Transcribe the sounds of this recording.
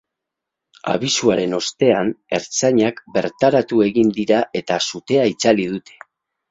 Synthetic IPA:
a̰βisuaɾe̞no̞st̪e̞ane̞ɾt͡saɲakbe̞ɾt̪aɾat̪ue̞ɣind̪iɾaʔe̞t̪asut̪e̞ait͡saliðut̪e̞̥

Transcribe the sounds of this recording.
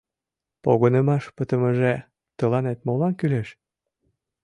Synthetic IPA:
poɣonəmɑʃpət̪əməʒe | t̪əlɑnet̪̚molɑnkyleʃ

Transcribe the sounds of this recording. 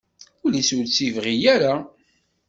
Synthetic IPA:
ulisult͡sːivʁijæɾa

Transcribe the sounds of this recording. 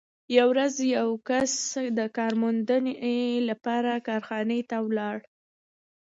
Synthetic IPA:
jawɾazjawkasd̪əkɑɾmʊnd̪ənelapɑɾakɑɾxɑnet̪awlɑɽ

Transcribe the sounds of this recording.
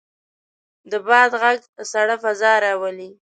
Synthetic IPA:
d̪əbɑd̪ɣaɡsaɽafazɑɾɑwali

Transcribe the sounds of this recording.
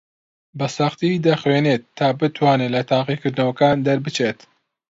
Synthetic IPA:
bɐsɑχt̪id̪ɐxweːnet̪ʰːaːbɨt̪ʰwaːnelɐt̪ʰaːqikɨɾd̪ɨnɐwɐkaːnd̪ɐɾbɨt͡ʃeːt̪

